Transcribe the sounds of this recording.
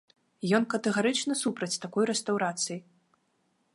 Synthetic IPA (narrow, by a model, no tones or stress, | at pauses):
jɔnkɐt̪ɛɣaɾɨt͡ʂnɐsupɾɐt͡sʲt̪akɔjɾɛst̪awɾat̪sɨji